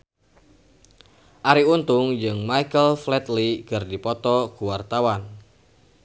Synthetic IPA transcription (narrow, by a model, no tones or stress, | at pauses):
ʔaɾiunt̪ʊŋd͡ʒɨŋmajkəlflɛt̪likɨrdipɔt̪ɔkuwart̪awan